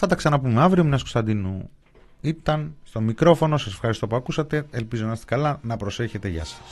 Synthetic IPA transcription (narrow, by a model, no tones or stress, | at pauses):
θɐt̪ɐksɐnɐpumeɐvɾiomnɐsku̥st̪ɐnd̪inu | it̪ɐnst̪o̞mikɾo̞fo̞no̞sɐsefxɐɾist̪o̞puɐkusɐt̪e̞elpizo̞nɐɐst̪ekɐlɐnɐpɾo̞se̞çe̞t̪e̞ʝɐ̰sɐ̥s